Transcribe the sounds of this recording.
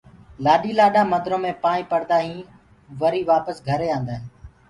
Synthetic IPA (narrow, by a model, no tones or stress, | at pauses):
laːɗiːlaːɗãːməd̪ɾõːmẽːpaːĩːpəɾd̪aːɦĩː | ʋəɾiːʋaːpəsɡʱəɾeːãːnd̪aːɦɪ̃